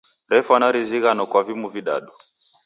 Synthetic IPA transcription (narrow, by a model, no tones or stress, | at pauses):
ɾɛfanaɾiziɣanɔkwavimuviɗa̰ɗɔ